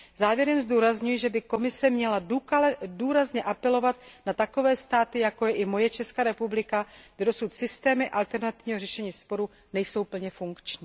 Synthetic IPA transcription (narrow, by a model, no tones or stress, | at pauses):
zaːvjɛɾɛmzduːɾazɲujɛʒɛbɪko̞mɪsɛmɲɛladuduːɾazɲɛʔapɛlo̞vat̪̚nat̪ako̞vɛːst̪aːt̪ɪjako̞jɛʔɪmo̞jɛt͡ʃɛskaːɾɛpublɪkaɡdɛdo̞sut̪sɪst̪ɛːmɪʔalt̪ɛɾnat̪ɪvɲiːɦorɛʃɛɲiːspo̞ɾu | nɛjso̞wpl̩ɲɛfuŋkt͡ʃɲiː